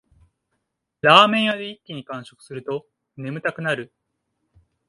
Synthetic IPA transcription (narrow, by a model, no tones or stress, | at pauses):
ɾaːmẽ̞ɰ̃jad̪eikʲːiɲ̟ikãɰ̃ɕo̞kɯ̥sɨɾɯ̟t̪o̞ | ne̞mɯ̟t̪akɯ̟naɾɯ̟